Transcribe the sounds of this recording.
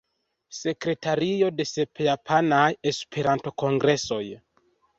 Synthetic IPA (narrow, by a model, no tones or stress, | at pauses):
se̞kɾe̞taɾio̞de̞se̞pejapʰanaje̞spʰe̞ɾanto̞ko̞ŋɡɾe̞so̞j